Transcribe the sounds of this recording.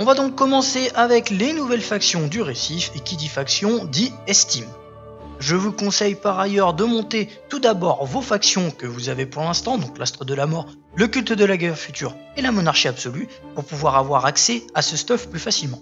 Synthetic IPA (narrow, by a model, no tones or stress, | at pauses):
ɔ̃vad̪ɔ̃kːɔmɑ̃seʔavɛklenuvɛlfaksjɔ̃d̪yʁesifekʲid̪ifaksjɔ̃d̪iɛst̪im | ʒəvukɔ̃sɛjpaʁajœʁd̪əmɔ̃t̪e | t̪ud̪abɔʁvofaksjɔ̃kəvuzavepuʁlɛ̃st̪ɑ̃d̪ɔ̃klast̪χəd̪əlamɔʁ | ləkʲylt̪əd̪əlaɡɛʁfyt̪yʁ | elamɔnaʁʃiabsɔly | puʁpuvwaʁavwaʁaksɛasəst̪ɔfplyfasilmɑ̃